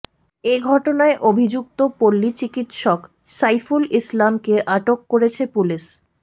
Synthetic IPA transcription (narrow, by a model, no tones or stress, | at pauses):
eɡʱɔʈonaeʔobʱid͡ʑuk̚t̪opolːit͡ɕikit̪ʃɔk | sajfulislamkeʔaʈokːoɾet͡ɕʰepuliʃ